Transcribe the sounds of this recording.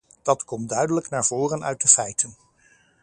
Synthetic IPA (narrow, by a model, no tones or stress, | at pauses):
d̥ɑtkɔmtdœɥdələknaːɹv̥oːrənœ̰ɥt̚dəfɛjtən